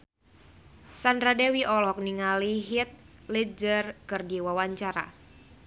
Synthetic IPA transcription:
sand̪ɾadewiʔɔlɔk̚niŋaliɦit̪̚lid͡ʒərkɨrdiwawaɲt͡ʃaɾa̰

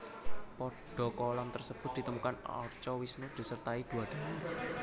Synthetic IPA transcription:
pɔɖ̥ɔ̤kɔlant̪ərsəb̥ʊt̪̚d̪i̤t̪əmukanɔ̰rt͡ʃɔwisnud̪̥i̤sərt̪aid̪̥ṳwad̥a̤na

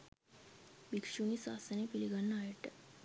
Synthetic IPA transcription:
bikʂunisa̰sənepiliɡanːaːjeʈ

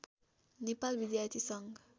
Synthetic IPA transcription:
nepalbid̪jart̪ʰisʌŋɡ

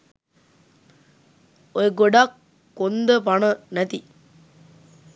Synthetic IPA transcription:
ojeɡoɖakː | ond̪əpaɳənæt̪i

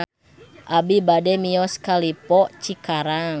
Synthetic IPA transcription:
ʔabibadɛmiɔskalipɔʔt͡ʃikaɾaŋ

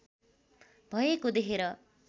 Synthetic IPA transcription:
bʱʌjekod̪ekʰeɾʌ

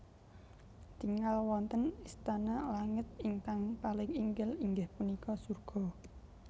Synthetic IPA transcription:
t̪iŋalwɔnt̪ənist̪analaŋət̪̚iŋkaŋpalɪŋiŋɡɪliŋɡɪhpunikɔsurɡ̥ɔ̤

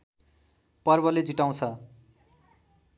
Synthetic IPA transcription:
pʌrbʌled͡ziʈaw̃t͡sʰʌ

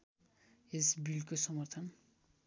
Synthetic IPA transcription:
esbilkosʌmʌrt̪ʰʌn

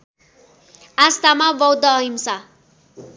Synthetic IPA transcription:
ast̪amabʌwd̪ʌɦimsa

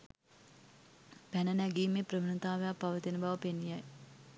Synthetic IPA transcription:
pænənæɡiːmeprəʋənət̪aːʋejapaʋət̪inəbaʋəpenːijaj

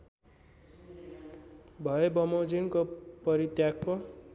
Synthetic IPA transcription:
bʱʌebʌmod͡zinkopʌɾit̪jakːo

